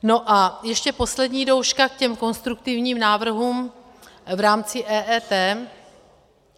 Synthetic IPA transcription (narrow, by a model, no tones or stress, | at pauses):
no̞ʔajɛʃcɛpo̞slɛdɲiːdo̞wʃkakcɛmko̞nst̪ɾuk̚t̪ɪvɲiːmnaːvr̩ɦuːm | vɾaːmt͡sɪʔɛːʔɛːt̪ɛː